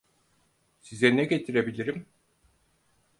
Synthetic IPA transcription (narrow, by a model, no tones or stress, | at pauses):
sizɛnɛɟet̪ʰiɾebilʲiɾim